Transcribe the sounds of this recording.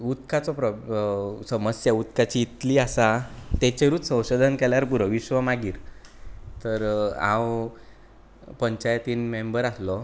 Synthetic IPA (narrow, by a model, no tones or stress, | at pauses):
ut̪kat͡sɔpɾɔ | səməsjaut̪kat͡ɕiːt̪liːasat̪et͡ɕeɾuːt͡ssə̃w̃ɕod̪ʱənkɛljaɾpuɾəʋiɕʋəmaɡiːɾ | t̪əɾã̰w | pəɲt͡ɕajt̪iːnmembəɾaslɔ